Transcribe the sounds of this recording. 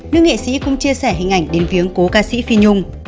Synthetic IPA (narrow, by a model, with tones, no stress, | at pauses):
nɨ̰˧˥əŋḛ˧˨sḭ˧˥kʊ̰˧˥ŋ͡mt͡ɕi˧əsɛː˧˩ɦï˨˩ŋ̟ʔa˧˩jŋ̟ɗe˨˦nvi˨˦əŋko˨˦kaː˧sḭ˧˥fi˧ɲʊ˧ŋ͡m